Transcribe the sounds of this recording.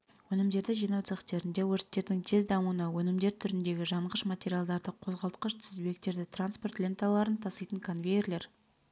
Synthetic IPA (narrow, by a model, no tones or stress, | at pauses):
wɵnɪmd̪e̞ɾd̪ɪʒijnɑwt̪seχt̪e̞ɾɪnd̪e̞wɵɾt̪ːe̞ɾd̪ɪŋt̪ʰe̞zd̪ɑmuənɑwɵnɪmd̪e̞ɾt̪ʰʏɾɪnd̪e̞ɡʲɪʒɑɴʁəʃmat̪ʲe̞ɾʲijalˠd̪ɑɾd̪əqʰo̞zʁɑlˠt̪̚qəʃt̪ʰɪzbe̞k̚t̪e̞ɾd̪ɪt̪ranspo̞rt̪lʲe̞nt̪alˠɑɾənt̪ʰɑsɑjt̪əŋkʰonvʲejerlʲe̞ɾ